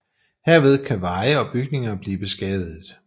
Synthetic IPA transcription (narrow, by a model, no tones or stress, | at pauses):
heɐ̰ʋe̝ð̞ˠkʰæʋɑ̈ɪəɒ̽b̥yɡ̥ne̝ŋɐb̥liːb̥e̝sɡ̥ɛːð̩ˠ